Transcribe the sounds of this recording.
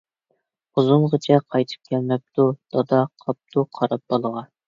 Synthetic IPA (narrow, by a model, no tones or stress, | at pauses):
ʊzumʁət͡ʃʰɛqʰɑjt̪ʰɨ̥p̚kʲʰɛlmɛp̚t̪ud̪̥ɑd̪ɑqʰɑp̚t̪ʰuqʰɑɾɑp̚bolˠəʁɑ